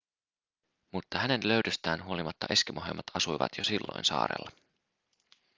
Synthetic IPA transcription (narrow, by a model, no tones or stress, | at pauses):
mut̪ːɑhæne̞nlø̞ɥdøst̪æːnɦuolimɑt̪ːɑʔe̞skimʔoɦḛmːɑt̪ɑsujʋɑ̰t̪ʰjosilːo̰jnsɑ̰ːɾḛlːɑ